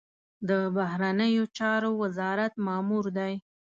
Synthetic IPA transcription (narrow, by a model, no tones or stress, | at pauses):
d̪əbahɾanəjot͡ʃɑɾowazɑɾat̪mɑmuɾd̪aj